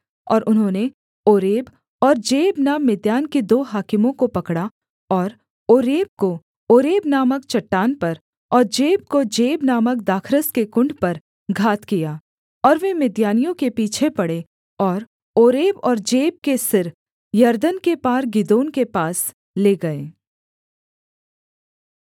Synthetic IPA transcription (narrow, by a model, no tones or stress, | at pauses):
ɔːɾʔʊnɦõːne | oːɾeːb | ɔːɾd͡ʒeːbnamɪd̪jaːnkid̪oːɦaːkɪmõkopɐkɽa | ɔːɾ | oːɾeːb̚ko | oːɾeːbnaːməkt͡ʃɐʈːaːnpɐɾ | ɔːɾd͡ʒeːb̚kod͡ʒeːbnaːmək̚d̪aːkʰɾəskekʊ̃ɳɖpɐɾ | ɡʱaːt̪kijaː | ɔːɾʋemɪd̪jaːnijõkepiːt͡ʃʰepɐɽe | ɔːɾ | oːɾeːbɔːɾd͡ʒeːb̚kesɪɾ | jɐɾd̪ənkepaːɾɡɪd̪oːnkepaːs | leːɡɐeː